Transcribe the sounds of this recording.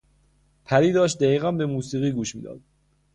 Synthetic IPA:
pʰæɾiːd̪ɒːʃ̬t̪̚d̪æiːɣænbemuːsiːɣiːɡuːʃmḭːd̪ɒ̰ːd̪̥̚

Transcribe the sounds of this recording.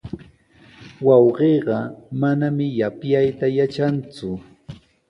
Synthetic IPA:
wɑwɢeːɢɑmanamɪjapjajt̪ajat͡ʃant͡sʊ

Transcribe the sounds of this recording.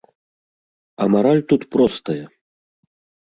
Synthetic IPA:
ɐmaɾalʲt̪ut̪pɾɔst̪ɐjɐ

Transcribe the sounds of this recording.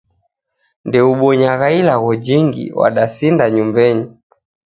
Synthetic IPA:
ndɛuɓɔɲaɣailaɣɔd͡ʒiŋɡḭwa̰ɗasindaɲumbɛɲi

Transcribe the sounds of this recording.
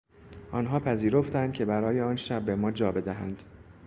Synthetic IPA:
ʔɒːnɦɒːpʰæziːɾo̞ft̪ænd̪̚cʲʰe̞bæɾɒːje̞ɒːnʃæbːe̞mɒːd͡ʒɒːbe̞d̪æɦæ̰nd̪̥

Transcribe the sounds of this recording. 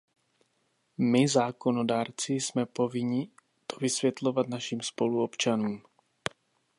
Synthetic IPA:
mɪzaːko̞nodaːɾt͡sɪsmɛpo̞vɪɲɪ | t̪o̥vɪsvjɛt̪lo̞vat̪naʃiːmspo̞luopt͡ʃanuːm

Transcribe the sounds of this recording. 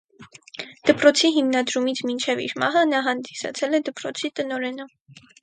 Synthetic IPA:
d̪̥əpɾɔt͡sʰiɦimnɑd̪ɾumit͡sʰmint͡ʃʰɛvḭɾmɑ̰ɦənɑɦɑnd̪isɑ̰t͡sʰɛlɛd̪əpɾɔt͡sʰit̪ənɔɾɛnə

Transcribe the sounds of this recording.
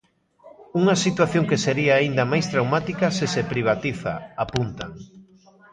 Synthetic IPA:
uŋɐsit̪waθjõŋkeseɾiaːind̪ɐmajst̪ɾawmat̪ikɐsesepɾiβ̞at̪iθa̰apunt̪a̰ŋ

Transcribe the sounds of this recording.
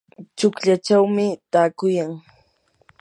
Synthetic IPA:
t͡ʃʊkʎat͡ʃawmɪt̪aːkʊjaŋ

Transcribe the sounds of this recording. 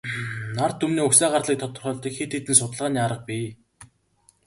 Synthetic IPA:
nar̥t̪ʰːɵmniːɵksæːɢarɮiːk̚t̪ʰɔt̪ɞ̆rχœːɮt̪ĭːkxet̪eːt̪ɘ̆nsʊt̪ə̆ɮʁaːniːaɾə̆q̚piː

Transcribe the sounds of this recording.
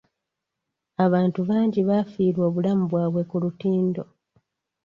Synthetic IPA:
aβaːntuβaːɲɟiβafiːɾwoːβulamuβwaːβwe̞kulutiːndo̞

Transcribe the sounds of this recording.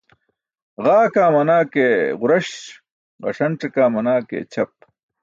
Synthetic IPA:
ʁaːkaːmɐnaːkeʁʊɾɐɕ | ʁɐ̰ʂɐnʈ͡ʂɐkaːmɐnaːkḛːt͡ɕʰɐp̚

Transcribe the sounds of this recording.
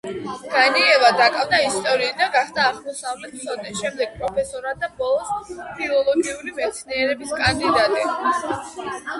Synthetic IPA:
ɡ̥aniɛvad̪akʼavd̪aist̪ʼɔɾiːd̪aɡaχd̪aːʁmɔsavlɛt̪̚ʰsɔd̪ɛʃɛmd̪ɛɡ̥̚pʼɾɔpʰɛsɔɾad̪abɔlˠɔspʰilˠɔlˠɔɡiuɾimɛt̪sʰniɛɾɛbiskʼand̪id̪at̪ʼi

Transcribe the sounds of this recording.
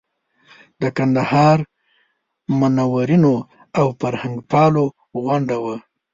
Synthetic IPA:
d̪əkand̪ahɑɾ | manawaɾino | awfaɾhaŋɡpɑlo | ɣaɳɖawa

